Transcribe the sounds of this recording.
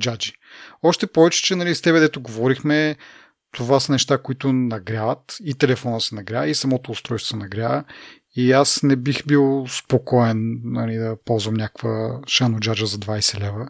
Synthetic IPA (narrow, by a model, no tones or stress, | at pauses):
d͡ʒad͡ʒi | ɔʃt̪ɛpɔvɛt͡ʃɛ̥t͡ʃɛnɐlist̪ɛbɛd̪ɛt̪ʊɡovɔɾixmɛ | t̪ovasɐnɛʃt̪akoit̪ʊnɐɡɾʲavɐt̪it̪ɛlɛfɔnəsɛnɐɡɾʲaisɐmɔt̪oːst̪ɾɔjst̪vɐnɐɡɾʲjavə | iasnɛbixbilˠspokɔɛnnɐlid̪ɐpɔlˠzvɐmnʲakvəʃanod͡ʒad͡ʒəzɐd̪vajsɛlɛvə